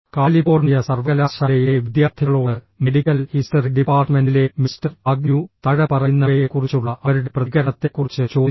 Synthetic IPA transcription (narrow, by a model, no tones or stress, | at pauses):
kaːlibo̞ːrnijɐsɐrʋɐɐlaːʂɐlɐjeʋid̪jaːrt̪ʰiɣɐɭoːɽɨ | meɽikːɐlhisʈɐriɖipaːrʈmendile̞mistɐrɐɡ̚njut̪ɐɻɐpɐrɐnːɐɐjekːurit͡ɕːuɭːɐʔɐʋɐɾuɽeprɐiɣɐɾɐt̪ːe̞kːurit͡ɕːɨt͡ɕo̞ː